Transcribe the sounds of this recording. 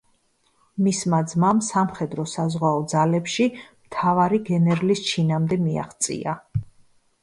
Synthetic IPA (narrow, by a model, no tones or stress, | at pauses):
mismad̪zmamsamχɛd̪ɾɔsazʁwaɔd̪zalɛpʃimt̪ʰavaɾiɡɛnɛɾlist͡ʃʰinamd̪ɛmia̰χt̪sʼḭa